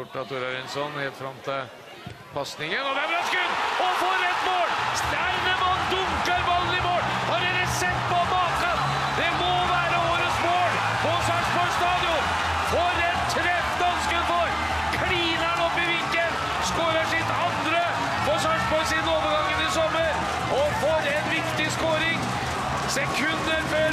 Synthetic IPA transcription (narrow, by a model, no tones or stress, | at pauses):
ʊʈːɑ̰t̪ʰːʊɾɑɾɪnsɔnheːlt̪fɾɑmt̪ʰə | pʰɑsnɪŋənɔbɛbɾɑskʉnɔfɔɾɛt̪ːmoːlst̪æɪnəmɑnd̪ʊŋkəɾmɑlːənɪmoːlhɑɾɛləsɛt̪ːpɔmɑːt̪ən | d̪ɛmɔʋæːɾəoːɾəsmoːɭ | fɔsɑːʂpɔst̪ɑːd̪ɪʊn | fɔɾɛnt̪ʰɾɛt̪œnskənfɔɾ | kʰɽiːnæɳɔpːɪʋɪŋkən | skoːɾəʂɪt̪ɑnd̪ɾə | fɔʂɑʂbɔɾsɪd̪noːʋəɾɡɑŋːənɪsɔmːəɾ | ʔɔfɔɾɛnʋɪkt̪ɪskoːɾɪŋ | sɛkʰʉnd̪əɾfɔɾ